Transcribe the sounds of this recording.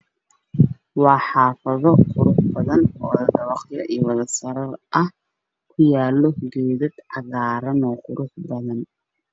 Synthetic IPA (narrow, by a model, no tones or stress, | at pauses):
wɑːħɑːfɐðɔqʊɾʊħbɐðɐnːðɐd̪ɐβɑqjɐʔiːwɐðɐsɐɾɐrʔɐh | kʰʊjaːlːɔɡɛːðɐd̪ʕɑɣaːɾɐnɔːqʊɾʔʊħbɐðɐn